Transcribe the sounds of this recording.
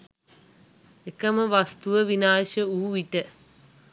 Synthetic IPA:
ekəməʋast̪uʋəʋinaːʃəuːʋiʈə

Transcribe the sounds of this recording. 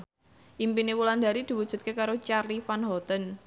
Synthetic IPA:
ʔimpinewuland̪a̤ɾid̪̥i̤wud̥ʒ̥ṳt̪̚kekaɾot͡ʃarlifanɦɔt̪ən

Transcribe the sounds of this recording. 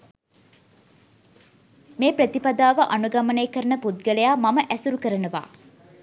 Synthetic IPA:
meːpɾət̪ipad̪aːʋəʔanuɡaməneːkəɾənəput̪̚ɡələjaːmaməʔæsuɾukəɾənəʋa̰ː

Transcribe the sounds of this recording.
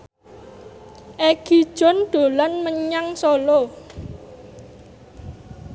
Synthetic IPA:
ʔɛɡ̥i̤d̥ʒ̥ɔ̤nɖ̪̥o̤lanməɲaŋsolo

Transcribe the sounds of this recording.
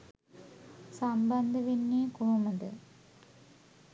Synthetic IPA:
sɐmbɐnd̪ɐʋinːeːkuɻumɐd̪ɨ

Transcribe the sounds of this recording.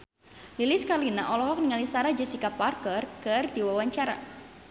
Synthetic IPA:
lilɪskalinaʔɔlɔɦɔk̚niŋalisaɾad͡ʒasikaparkɔrkɨrdiwawaɲt͡ʃaɾa̰

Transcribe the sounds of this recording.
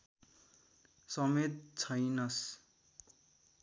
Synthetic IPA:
sʌmet̪̚t͡sʰʌjnʌs

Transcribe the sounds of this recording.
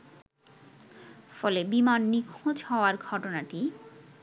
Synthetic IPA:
fɔlebimanːikʰod͡ʑɦɔoaɾɡʱɔʈonaʈi

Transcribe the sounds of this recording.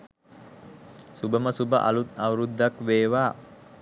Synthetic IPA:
subəməsubəʔa̰lut̪̚awɾud̪ːakʋeːʋaː

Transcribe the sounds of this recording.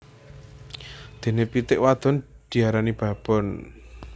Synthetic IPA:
d̪̥e̤nepit̪ɪʔwad̪̥ɔ̤nd̪̥i̤aɾanib̥a̤b̥ɔ̤n

